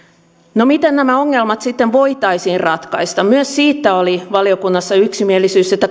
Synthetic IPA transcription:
nomit̪ennæmæoŋːelmɑt̪sit̪ːeʋʋo̞it̪ɑisiːrrɑt̪kɑist̪ɑmmyøssiːt̪ːæoliʋɑliokunːɑsːɑyksimielisyːset̪ːæ

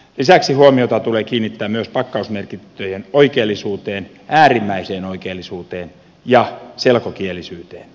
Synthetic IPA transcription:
lisæksihuomiot̪ɑt̪uleːkiːnːit̪ːæːmyøspɑkːɑusmerkit̪ːøjenoikeːlːisuːt̪eːn | ʔæːrimːæiseːnoikeːlːisuːt̪eːn | jɑselkokielːisyːt̪eːn

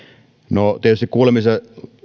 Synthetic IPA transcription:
not̪iet̪yst̪ikuːlemise

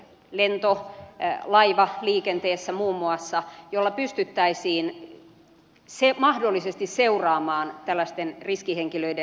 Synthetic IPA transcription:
lent̪o | lɑiʋɑliːkent̪eːsːæmuːmːuɑsːɑjolːɑpyst̪yt̪ːæisiːn | semɑhdolːisest̪isseurɑːmɑːnt̪ælːæst̪enriskiheŋkiløide

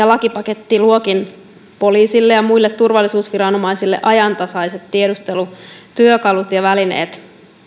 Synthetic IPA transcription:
jɑlɑkipɑke̞t̪ːiluokin | po̞liːsilːejɑmuilːet̪turʋɑlːisuːsʋiɾɑnomɑjsilːḛʔɑjɑnt̪ɑsɑjset̪tiedust̪e̞lut̪yøkɑlut̪jɑʋæline̞̰ːt̪

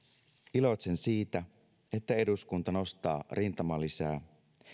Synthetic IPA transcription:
ilo̞t̪ʲsensiːt̪æ | e̞t̪ːæe̞duskunt̪ɑno̞st̪ɑːrint̪ɑmɑlisæː

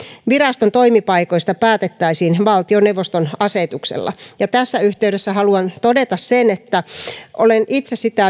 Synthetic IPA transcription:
ʋirɑst̪ont̪oimipɑikoist̪ɑpæːt̪et̪ːæisiːnʋɑlt̪ioneuʋːost̪onɑset̪uksḛlːɑ̰jɑt̪æsːæyht̪eyɾesːæhɑluɑnt̪odet̪ɑssenet̪ːæʔolenit̪sessit̪æ

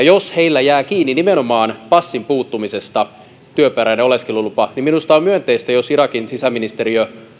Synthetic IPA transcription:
josheilːæjæːkiːnːinimenomɑːnpɑsːimpuːt̪ːumisest̪ɑ | t̪yøpæɾæjneoleskelulupɑniminust̪ɑomyønt̪eist̪æjosiɾɑkinsisæminist̪eɾiø

